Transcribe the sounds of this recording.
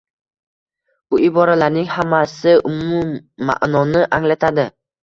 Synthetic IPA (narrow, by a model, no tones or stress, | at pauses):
b̥ʊɪbɒɾalaɾnɪŋhamasɪʊmʊmːa̰ʔnɒnɪʔaŋlat̪ʰad̪ɪ